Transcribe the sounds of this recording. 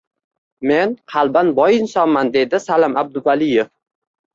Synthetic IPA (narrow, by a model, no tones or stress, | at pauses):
me̞nqʰɑlˠbanbɒjɪnsɒnmand̪e̞d̪ɪsalɒmab̚d̪ʊvalɪjef